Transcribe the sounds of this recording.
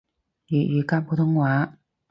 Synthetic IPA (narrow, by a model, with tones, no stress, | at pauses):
i˨˩y˨˩ka˥npu˥˧t̪ʰɤ˥ŋwa˨˧˥